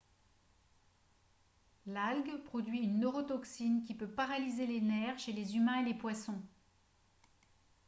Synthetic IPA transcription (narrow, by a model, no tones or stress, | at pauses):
lalɡpχɔd̪ɥiynːøʁɔt̪ɔksink̬ʲipøpaʁalizelenɛʁʃelezymɛ̃elepwasɔ̃